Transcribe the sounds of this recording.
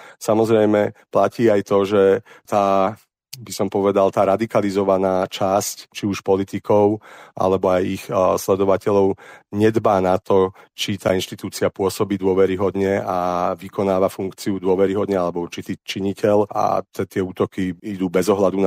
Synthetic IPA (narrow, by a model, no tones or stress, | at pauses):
samɔzɾɛjmɛplaciːajt̪ɔʒɛt̪aː | bisɔmpɔʋɛd̪alt̪aːɾad̪ikalizɔʋanaːt͡ʃasct͡ʃiuʃpɔlit̪ikɔʊʔa̰lɛbɔajixslɛd̪ɔʋacɛʎɔʊɲɛd̪baːnat̪ɔt͡ʃit̪aːinʃt̪it̪uːt͡siapʊɔsɔbiːd̪ʊɔʋɛɾiɦɔd̪ɲɛaʋikɔnaːʋafuŋkt͡siud̪ʊɔʋɛɾiɦɔd̪ɲɛalɛbɔuɾt͡ʃit̪iːt͡ʃiɲicɛla̰t̪ɛt̪ɪɛuːt̪ɔkiid̪uːbɛzɔɦlad̪un